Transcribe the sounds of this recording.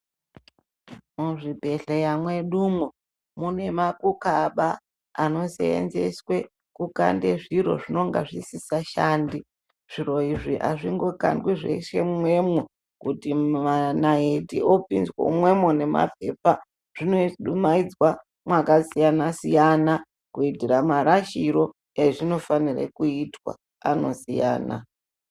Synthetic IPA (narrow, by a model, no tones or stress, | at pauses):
muʐibʱe̞ɬejamwe̞ɗumu | mune̞makukaɓaː | no̞sḛḛnze̞swe̞ | kuka̰nde̞ʐiɾo̞̰ʐino̞ŋɡa̰ʐisisaʃaːndi | ʐ̥iɾo̞iʐiʔa̰ʐiŋɡo̞ka̰ndwiʐe̞̰ʃe̞̰we̞mu | kutianaetḭʔo̞pinzwo̰mwe̞mone̞ma̰pe̞̰ːpa | ʐ̥inoɗumaid͡zwa | mwakasijanasijana | kuitiramaɾaʃiɾo̞ | eʐino̞fanirḛkuitwa̰ | ano̞sija̰ːna̰